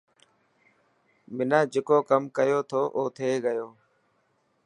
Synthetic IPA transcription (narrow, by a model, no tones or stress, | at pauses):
mɪnãːd͡ʒeːkoːkəmkəjoːt̪ʰoːʔoːt̪ʰeːɡəjoː